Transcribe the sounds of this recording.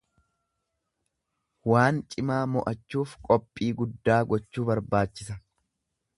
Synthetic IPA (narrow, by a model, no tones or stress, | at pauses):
waːnt͡ʃʼɪmaːmɔʔɐt͡ʃːuːfkʼɔpʼːiːɡʊd̪ːaːɡɔt͡ʃːuːbɐɾbaːt͡ʃːɪsɐ